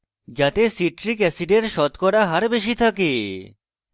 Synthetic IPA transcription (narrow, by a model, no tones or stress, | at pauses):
d͡ʑat̪esiʈɾikɛsiɖeɾʃɔt̪kɔɾaɦaɾbeʃ̬it̪ʰake